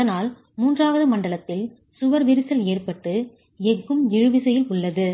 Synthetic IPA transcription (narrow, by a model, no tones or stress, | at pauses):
ɐðɐnaːl | muːndraːʋɐðɯmɐɳɖɐɭɐt̪ːɪl | sʊʋɐɾʋɪɾɪsɐleːrpɐʈːɯ | ɛkːɯmɪɻɯʋɪsɐjɪlʊɭːɐðɯ